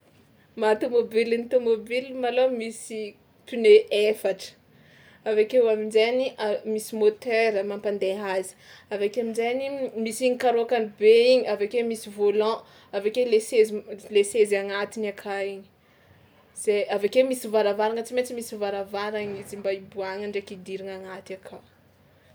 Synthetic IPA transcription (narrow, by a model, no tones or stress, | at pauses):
mat̪omobilint̪omobilmalomisi | pineefaʈ͡ʂə̥ | avakewaminzeniamisimot̪ɛɾəmãmpand̪eɦazi̥avakeamizenimisiɲikaɾoakanibeiɲiavakemisivolɑ̃ | avakelesezilesezaŋat̪inakʰaiɲi̥ | z̥eavakemisivaɾavaɾaŋət͡simet͡simisivaɾavaɾaɲizimbaibuaŋaɳɖ͡ʐekid̪iɾiŋaŋat̪iakʰa